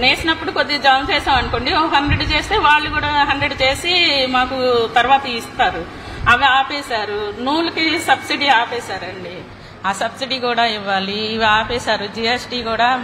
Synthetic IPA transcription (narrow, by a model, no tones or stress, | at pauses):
neːsinɐpːuɽukod̪ːid͡ʒaːnt͡ʃɛːʃaːmɐnko̞ːɳɖioɐɦɐnd̪ɾe̞ɖt͡ʃe̞ːst̪e̞ːʋaːɭːukuːɽaːɦɐndɾeɖt͡ʃe̞ːsimaːkut̪ɐɾʋaːt̪ɐist̪aːɾu | ɐʋiaːpɛːsaːɾunuːlɐkisɐbsiɖiaːpɛːsaːɾɐɳɖi | aːsɐbsiɖiːkuːɽaːiʋːaːliːʋiaːpɛːsaːɾud͡ʒiːesʈiːkuːɽaː